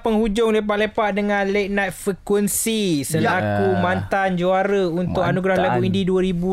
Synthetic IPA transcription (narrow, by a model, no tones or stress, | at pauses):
pəŋhud͡ʒʊŋlep̬aʔlepaʔ̪̚dəŋãnlek̚nat̪̚fɾikwənsisəlakumant̪and͡ʒuaɾəunt̪ʊkʔanuɡɾahlakuindiduaɾibu